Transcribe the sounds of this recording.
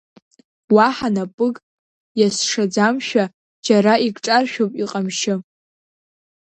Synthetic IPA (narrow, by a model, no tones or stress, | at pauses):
waħanapʼɨkʼ | jasʂad͡zamʃᶣa | d͡ʒaɾaikʼʈ͡ʂʼarʃᶣopʼiqʼamʃɪ